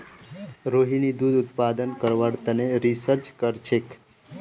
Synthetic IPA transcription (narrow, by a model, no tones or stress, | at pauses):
ɾoɦinid̪ud̪ʊt̪̚pad̪ənkəɾʋaɽt̪əneɾisəɾt͡ʃkəɾt͡ʃʰek